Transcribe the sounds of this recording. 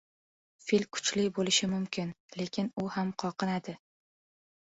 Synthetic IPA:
filkʰʊ̥t͡ʃlɪbolɪʃɪmʊmkʲʰɪnle̞kʲʰɪnʊhamqʰɒqɨnad̪ɪ

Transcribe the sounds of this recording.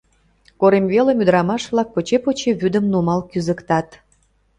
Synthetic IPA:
koɾemβelemyd̪ɾɑmɑʃβlɑk̚pot͡ɕepot͡ɕeβyd̪əmnumɑlkyzə̆kt̪ɑt̪

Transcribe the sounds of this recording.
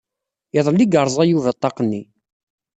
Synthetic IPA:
iðˤəlːiɡəɾˤzˤæjuvət̪ˤːɑqənːi

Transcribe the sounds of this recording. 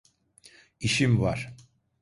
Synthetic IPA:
iʃimvaɾ̥

